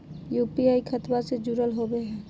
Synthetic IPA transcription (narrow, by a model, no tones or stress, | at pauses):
jupiaːikʰət̪based͡ʒuɾəlɦobeɦɛ̃ː